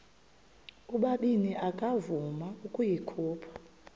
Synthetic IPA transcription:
uɓaɓiniʔakʼavumaukʼujikʰuːpʰḁ

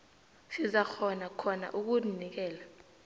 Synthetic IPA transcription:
sizaxɔnakʰɔna̰ʔuk̬unik̬ɛːla

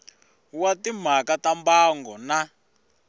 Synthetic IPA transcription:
watim̤akatambaŋɡɔna

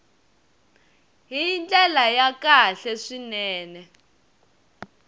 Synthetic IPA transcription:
ɦind͡ɮʼɛlajakaɬɛʂinɛːnɛ

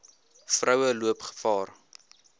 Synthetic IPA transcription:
frœwəluəpχə̥fɑːr

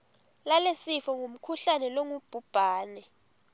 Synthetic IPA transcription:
lalesifɔŋum̩kʰuɬanɛloŋub̥ʱub̥ʱaːnɛ

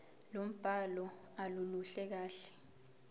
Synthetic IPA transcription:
lom̩b̥ʱalɔ | aluluɬɛk̬aːɬɛ̥

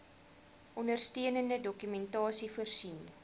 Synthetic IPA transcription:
ʔɔndərstiənəndədɔkymɛntɑːsifərsin

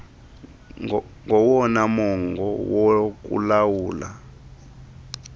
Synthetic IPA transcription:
ŋɔwɔnamɔŋɡɔwɔk̬ṵlawuːla̰

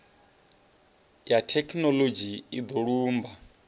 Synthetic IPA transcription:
jatʰɛkʰnɔlod͡ʒiid̪oɺuːmba

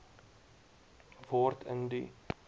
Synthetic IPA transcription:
vɑːrtʰə̰ndḭ

